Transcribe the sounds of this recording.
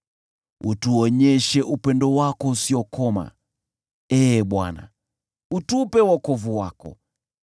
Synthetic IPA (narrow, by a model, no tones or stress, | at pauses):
utuɔɲɛʃɛʔupɛndɔwakɔusiɔkɔma̰ | ɛɓwa̰na̰ | utupɛwakɔvuwakɔ̰